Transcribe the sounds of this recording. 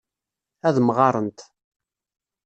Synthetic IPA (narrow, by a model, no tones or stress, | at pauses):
æðmʁɑɾˤənt̪